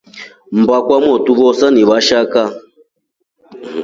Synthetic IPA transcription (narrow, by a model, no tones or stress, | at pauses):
m̩bakwamɔtuβɔsaniβaʃaka